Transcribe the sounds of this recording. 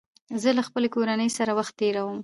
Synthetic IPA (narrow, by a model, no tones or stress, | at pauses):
zəlaxpəlekoɾanəjsaɾawaxt̪ːeɾawəm